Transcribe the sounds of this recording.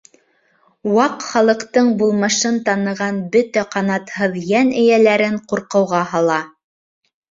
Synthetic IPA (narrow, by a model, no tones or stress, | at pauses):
wɑqχɑlˠɤ̆qt̪ɤɴbulˠmɤ̆ʃɤnt̪ɑnɤ̆ʁɑnbɵt̪æqɑnɑt̪hɤðjænɘ̆jælæɾɘɴquɾqɤ̆wʁɑhɑlˠɑ